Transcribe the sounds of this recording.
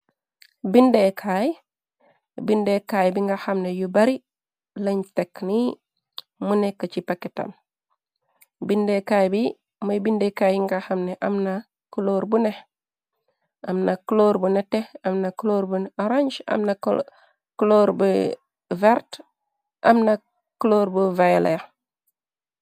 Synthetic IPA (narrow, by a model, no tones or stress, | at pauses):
bindekʰaj | bindekajbiŋɡaxamnejubaɾi | lɐɲtekni | munekːat͡ʃipaketa̰m | bindekaːjbi | majbindekajiŋɡaxamneʔamna | kuloɾbuneh | amnakloɾbuneteamnakloɾbuaɾaɲd͡ʒa̰mna | kloːɾbu | veɾt | ʔa̰mna | kuloɾbuvajlḛja